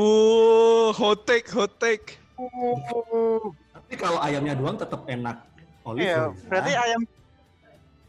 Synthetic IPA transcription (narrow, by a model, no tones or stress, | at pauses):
u | ɦot̪ɛk̚ɦot̪ɛk̚ | t̪apikaloajamɲadoaŋt̪ət̪əp̚enak̚ | olɛjbəɾat̪iajam